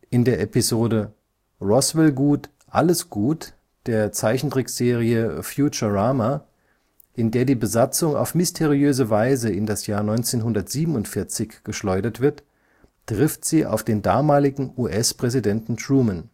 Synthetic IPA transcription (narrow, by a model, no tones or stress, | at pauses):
ʔɪndeːɐʔɛpizoːdə | ʁɔsvɛlɡuːt | ʔaləsɡ̥uːt | d̥eːɐt͡saɪçn̩dʁ̥ɪkz̥eːʁiəfjuːt͡ʃɐʁaːma | ʔɪndeːɐdiːbəzat͡sʊŋa̰ʊfmɪstʰeʁiøːzəvaɪzəɪndasjaːɐnɔʏnt͡seːnɦʊndɐtz̥iːbm̩n̩ʊntfɪɐt͡sɪçɡ̥əʃlɔʏdɐtv̥ɪɐt | tʁ̥ɪftz̥iːʔa̰ʊfd̥eːndaːmaːlɪɡŋ̩uːʔɛspʁ̥ɛzidɛntn̩tʁuːmən